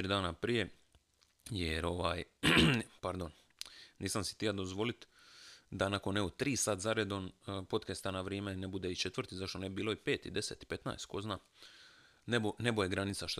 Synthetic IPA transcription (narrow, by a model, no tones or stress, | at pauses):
t̪ɾid̪aːnapɾije̞ | jeɾo̞ʋaːj | paɾd̪o̞n | niːsamsi̥t̪ijad̪ozʋo̞lit̪d̪anako̞nːeɡot̪ɾiːsaːt̪zaɾed̪o̞npo̞t̪kest̪anaʋɾjeːme̞nebud̪eit͡ʃe̞t̪ʋərɾt̪izaʃt̪onebiːlˠo̞ipe̞ːt̪ḭd̪e̞se̞t̪i̥pe̞t̪na̰est̪ko̞znaː | nebone̞bojeɡɾanit̪saʃt̪